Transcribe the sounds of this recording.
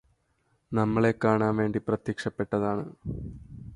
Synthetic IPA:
nɐmːɐɭekːaːɳaːmʋe̞ːɳɖiprɐt̪jikʂɐpːe̞ʈːɐðaːɳɨ

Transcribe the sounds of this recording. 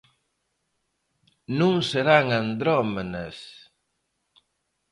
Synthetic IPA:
nũŋseɾaŋand̪ɾɔmenɐs

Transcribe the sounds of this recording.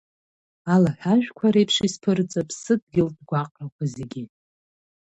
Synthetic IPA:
alaħᶣaʒᶣkʷʰaɾejpʰʂispʰɨrt͡sʼapʰsɨd̚ɡʲɪldɡʷaqʼrakʷʰaze̞ɡʲi

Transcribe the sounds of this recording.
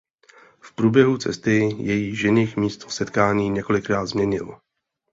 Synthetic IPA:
fpɾuːbjɛɦut͡sɛ̰st̪ɪjɛjiːʒɪnixmiːst̪osɛt̪kaːɲiːɲɛko̞lɪkɾaːd̪zmɲɛɲɪlo

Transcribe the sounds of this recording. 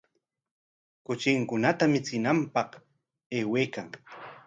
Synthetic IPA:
kʊt͡ʃɪŋkʊnat̪amɪt͡sɪnampɑχ | e̞ːweːkaŋ

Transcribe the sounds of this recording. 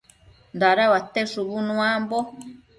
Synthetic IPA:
nd̪aɾaβat̪eʂuβunũambo

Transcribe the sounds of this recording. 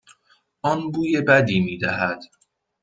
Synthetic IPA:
ɒːnbuːje̞bæd̪iːmiːd̪æɦæd̪̥

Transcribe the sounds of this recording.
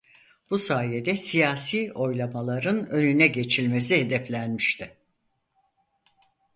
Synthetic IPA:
b̥usaːjed̪ɛsijaːsiːo̞jlˠamalˠaɾɯnø̞nynɛɟe̞t͡ʃʰilʲme̞siɦe̞d̪ɛflʲænmiʃt̪ʰɪ

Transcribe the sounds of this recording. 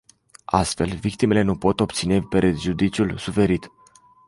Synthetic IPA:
a̰st̪fe̞lvik̚t̪ime̞le̞nupo̞t̪o̞pt̪sine̞pɾeʒud̪it͡ʃiulsufe̞ɾit̪

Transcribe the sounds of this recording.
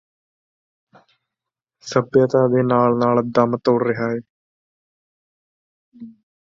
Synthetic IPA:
sɐbjaːt̪aːd̪eːnaːɭnaːɭɐd̪aːmɐt̪ːɐwɽɾɪɦaːje

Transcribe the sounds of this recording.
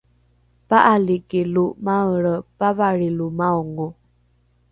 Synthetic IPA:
paʔalikeluʔmaəɾəpavaɾilumaɔŋo

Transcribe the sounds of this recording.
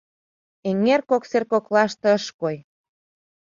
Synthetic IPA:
eŋerkokserkoklɑʃt̪ɤ̆əʃkoj

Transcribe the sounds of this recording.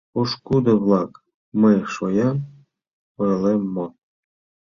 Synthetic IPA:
oʃkud̪ɤ̆βlˠɑk | məjʃojɑm | ojlemːo

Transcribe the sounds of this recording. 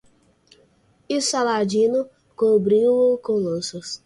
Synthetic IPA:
ɪsalad͡ʒĩnʊ | kobɾĩʊkõlɐ̃sʊs

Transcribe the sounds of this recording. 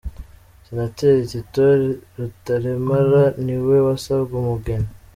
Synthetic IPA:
sinateɾetitoɾutaɾemaɾaniwewasaβɡumuɡena

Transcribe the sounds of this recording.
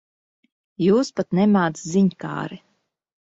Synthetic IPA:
juːspat̪nɛmaːt̪sziɲka̰ːɾi

